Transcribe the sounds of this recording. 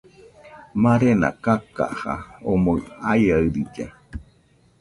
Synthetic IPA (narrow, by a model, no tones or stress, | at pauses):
mãɾena̰kaka̰ha̰omoajaɨɾid͡ʒe